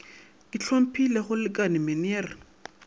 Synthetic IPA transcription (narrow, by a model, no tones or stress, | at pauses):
kɪt͡ɬʰom̩pʰilɛχʊlɪkʼanɪmɪneːrɪ